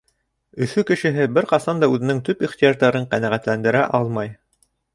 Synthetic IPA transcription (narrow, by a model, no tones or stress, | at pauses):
ɵ̆θɵkɘ̆ʃɘ̆ɦɘbɘɾqɑsɑnd̪ɑʉðɘ̆nɘŋt̪ɵpiχt̪ijɑʒd̪ɑɾɤɴqænæʁæt̪lænd̪ɘ̆ɾæʔɑlˠmɑj